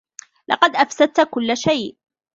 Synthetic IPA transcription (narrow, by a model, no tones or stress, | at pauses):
lʔɑ̰qɑd̪ʔafsad̪̚t̪kʊlːʃajʔ